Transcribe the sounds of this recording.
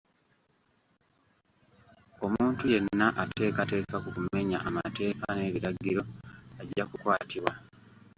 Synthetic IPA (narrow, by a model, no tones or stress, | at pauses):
o̞muːntuje̞nːaʔate̞ːkate̞ːkakukume̞ɲa̰ʔamate̞ːkane̞ːβiɾaɡiɾo̞aɟːakukwaːtʰiβwa